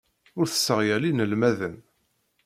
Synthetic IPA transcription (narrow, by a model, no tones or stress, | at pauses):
ʊɾθə̥sːəʁjælinəlmæðən